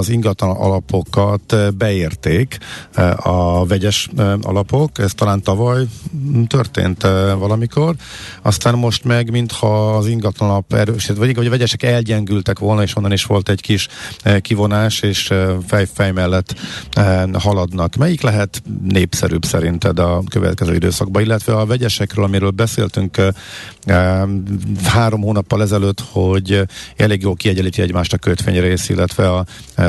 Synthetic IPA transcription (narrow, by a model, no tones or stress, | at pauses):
ziŋɡɒt̪lɒnʔɒ̰lɒpʰo̞kɒt̪bɛeːrt̪eːk | ɒvɛɟɛʃɒ̰lɒpo̞kɛst̪ɒlaːnt̪ɒvɒjt̪ørt̪ḛːnt̪vɒlɒmiko̞rɒ̰st̪aːmːo̞ʃt̪mɛɡmint̪hɒːziŋɡɒt̪lɒnnɒpɛ̰ɾøːʃiʋɒiɒɟɒvɛɟɛʃɛkɛlɟɛŋɡylt̪ɛkʋo̞lnɒeːʃonːɒniʃʋo̞lt̪ɛɟkiʃkivo̞naːʃeːʃfɛjfɛjmɛlːɛt̪ | hɒlɒd̪nɒkmɛjiklɛɦɛt̪neːpsɛ̰ɾy̰ːbsɛ̰ɾint̪ɛd̪ɒkøvɛ̰t̪̚kɛzø̰ːid̪ø̰ːsɒɡ̚bɒilːɛt̪ʋɛɒvɛɟɛʃɛkrøːlɒmiɾøːlbɛsḛːlt̪yŋk | haːɾo̞mɦoːnɒpːɒlɛzɛløːt̪ho̞ɟɛleːɡjoːlkiɛɟɛliːt̪iɛɟmaːʃt̪ɒkøt̪ʋḛːɲreːsḭlːɛt̪ʋɛɒ